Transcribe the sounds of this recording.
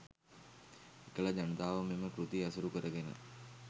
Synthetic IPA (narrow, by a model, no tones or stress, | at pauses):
ekələd͡ʒanət̪aːʋəmeməkɾut̪iasuɾukəɾəɡenə̰